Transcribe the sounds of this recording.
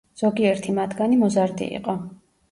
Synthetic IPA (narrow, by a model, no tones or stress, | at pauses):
z̥ɔɡiɛɾt̪ʰimat̪ʰɡanimɔzaɾd̪ḭḭqʼɔ